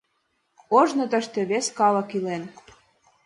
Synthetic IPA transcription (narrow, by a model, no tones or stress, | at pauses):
oʒnɤ̆t̪ə̆ʃt̪ĕβeskɑlɤ̆kilen